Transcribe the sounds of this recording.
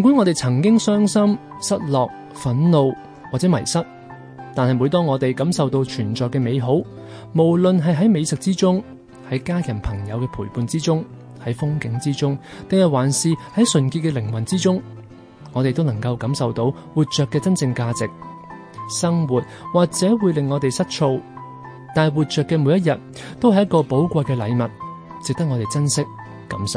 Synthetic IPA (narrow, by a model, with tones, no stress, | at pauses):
nkʷu˨˥ŋɔː˨˧t̪e˨jt͡sʰɐ˨˩ŋkɪ˥ŋsœː˥ŋsɐ˥m | sɐ˥t̚lɔː˨k̚ | fɐ˨˥nlo˨˧w | waː˨˩t͡sɛː˨˥mɐ˨˩jsɐ˥t̚ | t̪aː˨nhɐ˨jmuː˨˧jt̪ɔː˥ŋɔː˨˧t̪e˨jkɐ˨˥msɐ˨wt̪o˧wt͡ʃʰyː˨˩nt͡ʃɔː˨kɛː˧me˨˧jɦo˨˥w | mo˨˩wlɵ˨nɦɐ˨jɦɐ˨˥jme˨˧jsɪ˨k̚t͡siː˥t͡sʊ˥ŋ | hɐ˨˥jkaː˥jɐ˨˩npʰɐ˨˩ŋjɐ˨˧wkɛː˧pʰuː˨˩jpuː˨˧nt͡siː˥t͡sʊ˥ŋ | hɐ˨˥jfʊ˥ŋkɪ˨˥ŋt͡siː˥t͡sʊ˥ŋ | t̪ɪ˨ŋhɐ˨jwaː˨˩nsiː˨hɐ˨˥jsɵ˨nkiː˧t̚kːɛː˧lɪ˨˩ŋwɐ˨nt͡siː˥t͡sʊ˥ŋ | ŋɔː˨˧t̪e˨jt̪o˥wnɐ˨˩ŋkɐ˧wkɐ˨˥msɐ˨wt̪o˨˧˥w | wuː˨˩t̚t͡ʃœː˨kːɛː˧t͡sɐ˥nt͡sɪ˧ŋkaː˧t͡sɪ˨k̚ | sɐ˥ŋwuː˨˩t̚waː˨k̚t͡sɛː˨˥wuː˨˧jlɪ˨ŋːɔː˨˧t̪e˨jsɐ˥t̚t͡sʰo˧w | t̪aː˨wuː˨t̚t͡ʃœː˨kːɛː˧muː˨˧˥jɐ˥t̚jɐ˨t̚ | t̪o˥whɐ˩jɐ˥t̚kɔː˧po˨˥wkʷɐ˧jkɛː˧lɐ̰˨˧jmɐ˨t̚ | t͡sɪ˨k̚t̪ɐ˥k̚ŋɔ˨˧t̪e˨jt͡sɐ˥nsɪ˥k̚ː | ɐ˨˥msɐ˨w